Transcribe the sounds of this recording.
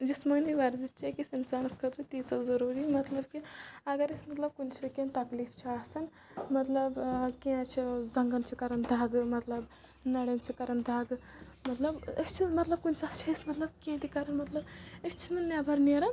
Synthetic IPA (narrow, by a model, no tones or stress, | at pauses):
d͡ʒismaːniʋaːɾzitt͡ʃʰakʲisinsaːnɐskʰɐt̪ɾɨt̪iːt͡sɐzɐɾuːɾimɐt̪lɐbkiɐɡɐɾɐsmɐt̪lɐb̚kunt͡ʃʰɐkʲẽnt̪ɐkliːft͡ʃʰiaːsɐn | mɐt̪lɐbkiãt͡ʃʰizɐŋɡɐnt͡ʃʰikɐɾɐnd̪ʱaːɡmɐt̪lɐb | nɐɽɐnt͡ʃʰikɐɾɐnd̪ʱaːɡ | mɐt̪lɐbɐst͡ʃʰimɐt̪lɐb̚kunt͡ʃʰast͡ʃʰiismɐt̪lɐb̚kiãt̪ikɐɾɐnmɐt̪lɐbest͡ʃʰinɐnʲaːbʱɐɾneɾɐn